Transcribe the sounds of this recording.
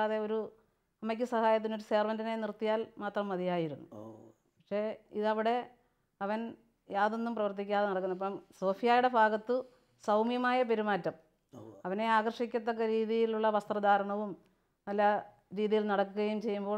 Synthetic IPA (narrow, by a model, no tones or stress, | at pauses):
aðe̞o̞ɾu | ɐmɐkʲːɨsɐhaːjɐt̪̬ːino̞ɾuseːrʋɐndine̞nirt̪ːijaːlmaːt̪rɐmːɐðijaːjiɾunːu | pɐkʂe̞ːiðɐʋiɽe̞ | ɐʋɐn | jaːðo̞nːumprɐʋɐrt̪̬ikʲːaːðenɐɽɐkːunːɐp̬ːɐmso̞ːfijaːjuɽe̞bʱaːɡɐt̪ːɨ | sɐwmjɐmaːjɐp̬eɾumaːtːɐm | ɐʋɐne̞aːɡɐrʂikʲːɐt̪ːokːɐɾiːðijiluɭːɐʋɐst̪rɐd̪ʱaːɾɐɳɐʋum | nɐlːɐ | ɾiːðijilnɐɽɐkːuɣɐjumt͡ɕe̞jːumbo̞ː